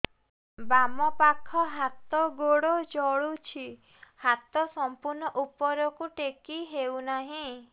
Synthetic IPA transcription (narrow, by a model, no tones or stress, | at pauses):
bamɔpakʰɔɦat̪ɔɡoɽod͡ʒɔɭut͡ʃʰi | hat̪ɔsɔmpuɾnɔʔupɔɾɔkuʈekiɦewnaɦĩ